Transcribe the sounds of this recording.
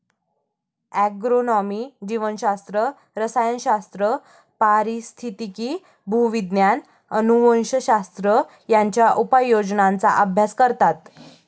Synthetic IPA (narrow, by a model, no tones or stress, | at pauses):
æɡɾonɔmid͡ʑiʋənɕast̪ɾə | ɾəsajənɕast̪ɾə | paɾist̪ʰit̪ikiː | bʱuʋid̪njan | ənuʋənɕəɕast̪ɾə | jaɲt͡ɕjaʔupajːod͡znant͡sa̰ʔabʱjaskəɾt̪at̪